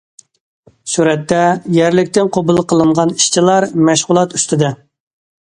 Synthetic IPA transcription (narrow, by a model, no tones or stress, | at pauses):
suɾɛt̪ʰːɛjɛɾlɪkʲt̪ɪnqʰobulˠqʰəlˠɨɴʁɑni̥ʃt͡ʃʰilˠɑɾmæʃʁʊlˠɑt̪y̥st̪ɪd̪ɛ